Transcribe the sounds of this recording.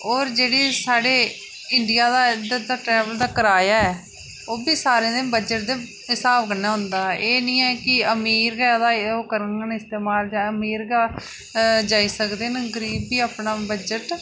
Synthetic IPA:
oːɾd͡ʒeːɽiːsaːɽeː | ɪɳɖɪjaːd̪aːd̪əd̪aːʈɾɛːʋəld̪aːkəɾaːjaːɛː | oːbiːsaːɾẽːd̪eːbəd͡ʒəʈ̚d̪eː | ɪsaːbkənːaːɦʊ̃nd̪aːeːnĩːɛːkɪəmiːɾɡɛːd̪aːoːkəɾənənɪst̪eːmaːld͡ʒãːəmiːɾɡaː | d͡ʒaːiːsəkd̪eːnɡəɾiːbːiːaːpnaːbəd͡ʒəʈ

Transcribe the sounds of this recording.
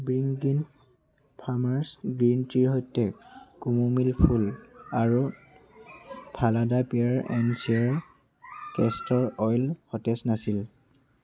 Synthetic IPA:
bɹiŋɡin | pʰamaɹsɡɹintiɹhojtɛkumumilpʰulaɹu | pʰaladapiaɹɛ̰nsiaɹ | kɛstɔɹɔjlxɔtɛsnasil

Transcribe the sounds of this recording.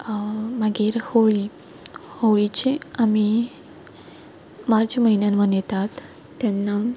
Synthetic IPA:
maɡiːɾhoɭi | hoʋɭit͡ɕeami | maɾd͡ʑaməɦinjanmənjet̪at̪ | t̪ːɛnːa

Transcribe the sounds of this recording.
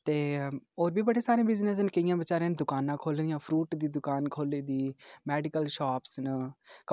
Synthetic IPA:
t̪eːoːɾbʱiːbəɽeːsaːɾẽːbɪznəs̬nkəɪjãːbət͡ʃaːɾẽːnd̪ʊkaːnãːkʰoːld̪ijãːpʰɾuːʈd̪iːd̪ʊkaːnkʰoːliːd̪iːmɛːɖɪkəlʃaːpsnək

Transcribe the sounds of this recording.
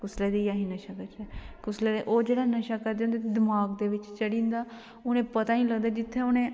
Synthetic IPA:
kʊsleːd̪iːjaːɦĩːnəʃakət͡ʃɛːkʊsleːd̪eʔoːd͡ʒeːɽaːnəʃaːkəɾd̪eõnd̪eːd̪ɪmaːɡd̪eːʋɪt͡ʃt͡ʃəɽĩːnd̪aː | ʊnẽːpət̪aːnĩːləɡ̚d̪aːd͡ʒɪt̪ʰːeːʊnẽː

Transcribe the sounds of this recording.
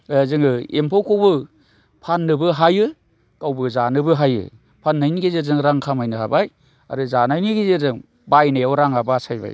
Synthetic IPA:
zɯŋɯempʰawkʰowbɯ | pʰanːɯbɯɦajɯ | kawbɯzanɯbɯɦajɯ̰ | pʰanːajniɡezezɯŋɾaŋkʰamajnɯɦabaj | a̰ɾɯzanajniɡezezɯŋ | bajnajawɾaŋabasajba̰j

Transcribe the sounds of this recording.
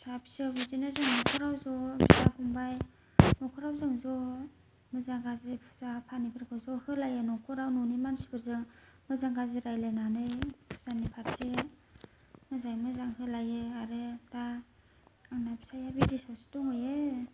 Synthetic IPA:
sabʰisabizinazɯŋnɔkʰɔɾawzɔbʰizahʰɔŋbaj | nɔkʰɔɾawzɯŋzɔ | mɯzaŋɡazepʰu̥zapʰanipʰaɾkʰɯzɔhɯlajɯnɔkʰɔɾawnɔnimansi̥bʰɯɾzɯŋ | mɯzaŋɡazɯɾajlajnanɯjpʰu̥z̥anipʰaɾse | mɯzajmɯzaŋhɯlajɯaɾɯdaː | ŋnapʰi̥sajabidisawsi̥tɔŋɯje

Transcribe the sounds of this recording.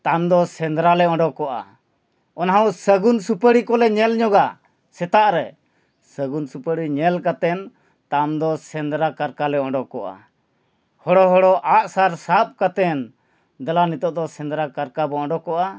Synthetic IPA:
t̪amd̪ɔsɛnd̪ɾalɛɔɳɖɔkɔʔa̰ | ɔnaɦaɔ̃səɡunsupəɽikɔlɛɲɛlɲɔɡa | sɛt̪aʔɾɛ | səɡunsupəɽiɲɛlkat̪ɛn | t̪amd̪ɔsɛnd̪ɾakaɾkalɛɔɳɖɔkɔʔa̰ | hɔɽɔɦɔɽɔʔaʔsaɾsap̚kat̪ɛn | d̪alanit̪ɔʔd̪ɔsɛ̃nd̪ɾakaɾkabɔɔ̃ɳɖɔkɔʔa

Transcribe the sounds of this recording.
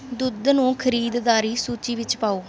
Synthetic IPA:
d̪ʊd̪nũːkʰəɾiːd̪d̪aːɾiːsuːt͡ʃiːʋɪt͡ʃpaːoː

